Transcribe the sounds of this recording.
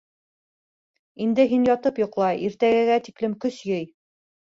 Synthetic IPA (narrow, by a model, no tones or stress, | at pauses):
ind̪ɘɦinjɑt̪ɤpjŏqlˠɑiɾt̪æɡæɡæt̪iklɘmkɵsjɘj